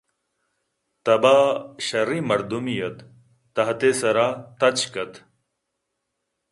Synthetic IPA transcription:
t̪ɐbaːɕɐɾimɐɾd̪umijɐt̪ː | ɐɦt̪esɐɾaːt̪ɐt͡ɕkɐt̪

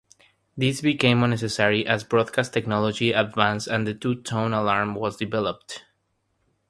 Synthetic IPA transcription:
ðisbikẽɪ̃mʌ̃nːɛsɨsɛɹiʔæzbɹɔd̪̚kʰastʰːɛknɔlɔd͡ʒiədvæ̃nsɨ̃nðɨtutʰõʊ̃nəlaɹmwʌzdɨvɛləp̚t

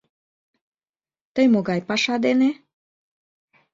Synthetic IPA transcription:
t̪əjmoɡɑjpɑʃɑd̪ene

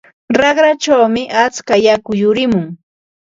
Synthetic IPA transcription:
ɾɑɢɾat͡ʃawmɪʔat͡skajakʊjʊɾɪmʊŋ

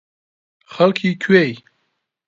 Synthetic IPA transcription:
xɐlkʰikʰwej

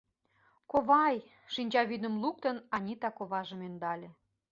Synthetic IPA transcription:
koβɑj | ʃinʲt͡ɕɑβyd̪ə̆mluk̚t̪ə̆nɑnʲit̪ɑkoβɑʒə̆mønd̪ɑlʲĕ

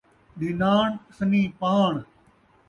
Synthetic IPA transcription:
ɗinaːɳsənĩːpaːɳ

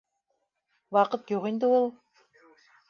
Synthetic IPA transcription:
wɑqɤt̪juʁind̪ɘulˠ

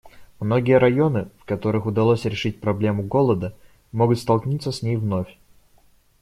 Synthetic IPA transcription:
mno̞ɡʲɪjəɾɐjo̞nɨfkɐt̪o̞ɾɨxʊd̪ɐlˠosʲɾʲɪʂɨt̚ʲpɾɐblʲe̞mʊɡo̞lˠəd̪ə | mo̞ɡʊt̪st̪ɐlˠknʲit̪səsʲnʲejvno̞fʲ

